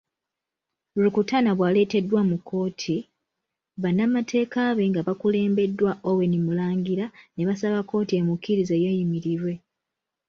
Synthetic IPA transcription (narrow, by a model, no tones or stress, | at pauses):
ulukutanaβwaːle̞ːte̞dːwamukʰːo̞ːtʰi | βanːamatʰe̞ːkaːβe̞ŋɡaβakule̞ːmbe̞dːwaʔowe̞nimulaːŋɡiɾane̞βasaβakːo̞ːtie̞mukːiɾize̞je̞ːjimiɾiɾwe̞